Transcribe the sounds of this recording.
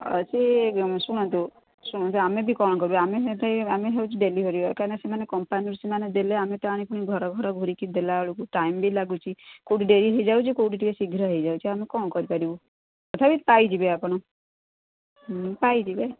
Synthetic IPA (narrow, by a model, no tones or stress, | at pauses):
ə̰t͡ʃesuɽ̃ãnt̪u | suɽ̃ɔ̃nt̪uamebʱikɔñkɔɾibeamet̪ameɦeut͡ʃʰiɖeliɦɔɾikaɾnesemanekɔmpanuɾsimaned̪eleamet̪ɔaɽ̃ikuɽ̃iɡʱɔɾɔɡʱɔɾɔɡʱoɾikid̪elaɭukuʈaimbʱilaɡut͡ʃʰikowʈiɖeɾiɦəjd͡ʒawt͡ʃʰikoʈiʈikesiɡʱɾaɦəid͡ʒawt͡ʃʰiamekɔñkɔɾipaɾibu | kɔt̪ʰabit̪pajd͡ʒibeapɔɽ̃ɔ | paid͡ʒibe